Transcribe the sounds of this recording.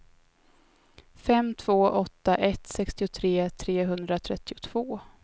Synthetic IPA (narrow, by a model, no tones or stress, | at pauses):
fɛmːt̪ʰv̥oːʔɔt̪ːaʔɛt̪sɛkst̪ɪʊt̪ʰɾeːt̪ʰɾeːɦɵnd̪ɾat̪ʰɾɛt̪ːɪʊt̪ʰv̥oː